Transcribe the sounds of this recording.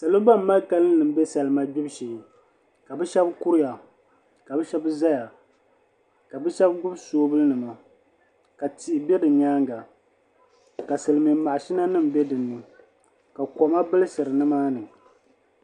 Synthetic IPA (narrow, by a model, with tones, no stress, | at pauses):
sa˨lo˦ba˦m̩˦ma˦ka˦lɨ˦nɨ˨m̩˦be˦sa˨lɨ˨ma˦bi˦bʃeː˨ | ka˨bɨ˦ʃɛ˦bkʊ˦ɾɪ˦ja˨ | ka˨bɨ˦ʃɛ˦bza˦ja˨ | ka˨bɨ˦ʃɛ˦bɡʊ˦bsoː˦bɨ˦lɨ˦nɨ˨ma˨ | ka˨ti˨ʔɪ˨bɛ˦dɨ˨ɲaː˦ŋɡa˨ | ka˨sɨ˨lmɛ˨˦ma˨ʃi˦na˦nɨ˦˨mbɛ˦dɨ˨nːɨ˨ | ka˨kɔ˨ma˦bɨ˦lɨ˦sɨ˨ɾɨ˨nɨ˦maː˦nɨ˨